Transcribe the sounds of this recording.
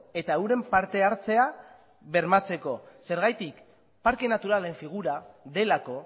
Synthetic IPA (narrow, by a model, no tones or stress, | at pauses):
e̞t̪aewɾe̞mpaɾt̪e̞aɾt͡se̞a | βe̞ɾmat͡se̞ko̞se̞ɾɣajt̪ik | paɾke̞nat̪uɾale̞ɱfiɣ̞uɾaðe̞lako̞